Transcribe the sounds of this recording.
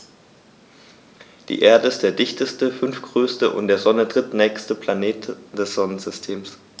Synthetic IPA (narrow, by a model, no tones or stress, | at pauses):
d̥ḭːʔeːɐdəɪst̚d̥eːɐdɪçtəstəfʏnfɡ̥ʁøːstəʔʊ̰ntd̥eːɐzɔnədʁ̥ɪtnɛːçstəpʰlaneːtd̥ɛsz̥ɔnənzʏstʰeːms